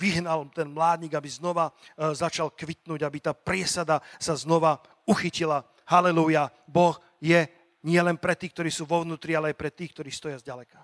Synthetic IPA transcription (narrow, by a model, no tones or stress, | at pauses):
ʋiɦnalt̪ɛnmlaːd̪ɲiːɡabiznɔʋazat͡ʃalkʋit̪nuːɟabit̪aːpɾɪɛsad̪asaznɔʋa | uxicila | halɛluja | bɔx | jɛ | ɲɪɛlɛnpɾɛt̪iːkt̪ɔɾiːsuːʋɔʊnuːt̪ɾialɛajpɾɛt̪iːkt̪ɔɾiːst̪ɔjazɟalɛkḁ